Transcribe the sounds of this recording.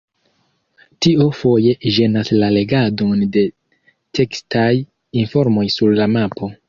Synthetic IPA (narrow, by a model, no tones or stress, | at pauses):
tio̞fo̞je̞ʒe̞naslale̞ɡado̞nde̞ | te̞kstʰaj | info̞ɾmo̞jsuɾlamapo̞